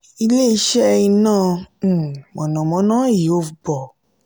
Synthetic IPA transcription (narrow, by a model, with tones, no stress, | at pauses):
i˧le˦i˧ʃɛ˦i˧nãː˦˨ | mɔ̃˨nɔ̃˨mɔ̃˨˦nãː˦ji˨˦o˧˨bɔ˨